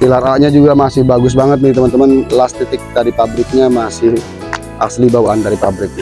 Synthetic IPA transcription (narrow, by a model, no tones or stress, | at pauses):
pilaɾaɲad͡ʒuɡamasɪhbaɡʊs̬baŋət̪̚dait̪əmənt̪əmənlast̪it̪ɪk̚daɾipabɾɪk̚ɲamasɪh | ʔa̰slibawandaɾipabɾɪk̚ɲa